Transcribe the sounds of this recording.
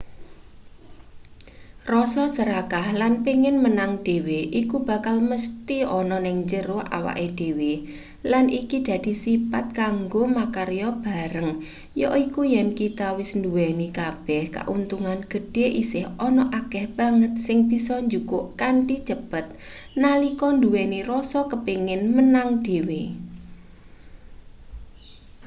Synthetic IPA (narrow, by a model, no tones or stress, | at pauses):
rɔsɔsəɾakahlanpiŋɪnmənaŋɖ̥e̤weʔikub̥a̤kalməst̪iɔnɔnɪŋd͡ʒəɾʊhʔa̰wa̰ʔed̥e̤we | lanikid̪̥ä̤d̪̥i̤sipat̪̚kaŋɡomakaɾjɔb̥a̤ɾəŋ | jɔʔikujɛnkit̪awɪsnduwɛnikab̥ɛhka̰ʔunt̪uŋanɡ̥ə̤ɖ̥eʔisɪhɔnɔʔakɛhb̥a̤ŋət̪̚sɪŋb̥isɔɲd͡ʒukʊʔkaɳʈi̥t͡ʃəb̥ət̪̚nalikɔnd̪uwɛnirɔsɔkəpeŋɪnmənaŋd̥e̤we